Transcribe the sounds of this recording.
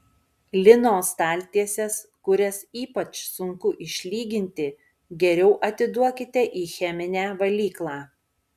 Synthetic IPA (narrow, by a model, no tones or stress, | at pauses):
lʲɪnoːst̪ɑːlʲt̪ʲiɛsʲɛskʊɾʲɛsiːpɐt͡ʃsʊŋkʊʔɪʃʲlʲiːɡʲɪnʲt̪ʲɪ | ɡʲɛɾʲɛʊʔɐt̪ʲɪd̪uɔkʲɪt̪ʲɛʔiːxʲɛmʲɪnʲæːʋɐlʲiːklˠɑː